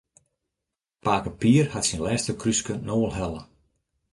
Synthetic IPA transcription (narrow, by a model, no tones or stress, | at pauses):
paːkəpiːərhatsinlɛːstəkʰryskənoːəlˠɦɛlə